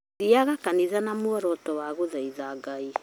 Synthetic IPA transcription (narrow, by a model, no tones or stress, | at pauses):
iaɣakaniðanamwɔɾɔtɔwaɣoðaiðaɡai